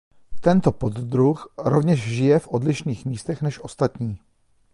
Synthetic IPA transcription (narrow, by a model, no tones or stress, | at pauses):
t̪ɛnt̪o̞po̞d̪d̪ɾuxɾovɲɛʃʒɪjɛfʔodlɪʃniːxmiːst̪ɛxnɛʃʔo̞st̪at̪ɲiː